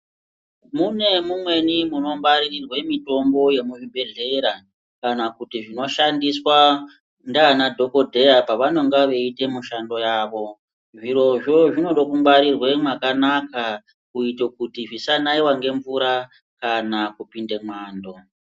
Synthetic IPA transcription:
mune̞mumwe̞nimuno̞mbaɾirirwemito̞mbo̞je̞muʐibe̞ɮe̞ɾa | kanakutiʐino̞ʃandiswa | ndaːnadʱo̞ko̞dʱe̞japaʋano̞ŋɡaʋe̞itemuʃando̞jaːʋo̞ | ʐiɾo̞ʐo̞ʐino̞ɗokumbaɾirwe̞mwakanaka | kuitokutiʐisanaiwaŋɡe̞ɱvuɾa | kanakupinde̞mwaːndo̞

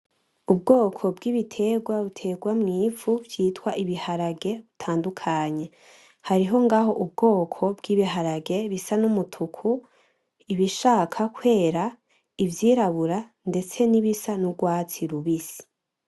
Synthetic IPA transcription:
ub̚ɡoːkʰo̞bɡiːβitʰe̞ɡwaβutʰe̞ɡwamŋiːfuvjiːtwaʔiβihaɾaɡe̞βutʰaːndukʰaɲe̞ | haɾiɦo̞ŋɡaɦo̞ʔub̚ɡo̞ːkʰo̞bɡiːβiɦaɾaɡe̞βisanumutʰukʰu | iβiʃaːkʰakʰwe̞ːɾa | ivjiːɾaβuɾa | nde̞t͡se̞niβisanuɡwaːt͡siɾuβisi̥

